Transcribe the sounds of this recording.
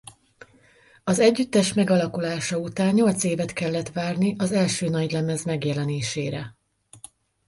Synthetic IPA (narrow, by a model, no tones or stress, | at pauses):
ɒzɛɟːyt̪ːɛʃmɛɡɒlɒkulaːʃɒut̪aːɲɲo̞lt̪seːvɛt̪kɛlːɛt̪ʋaːrniʔɒzɛlʃøːnɒɟlɛmɛzmɛɡjɛlɛneːʃeːɾɛ